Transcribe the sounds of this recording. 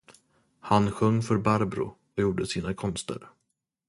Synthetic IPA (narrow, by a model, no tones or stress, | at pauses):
hanɧɵŋːfœɾbaɾbɾʊ̰ | ɔjuːɖəsiːnakʰɔnst̪ə̰ɾ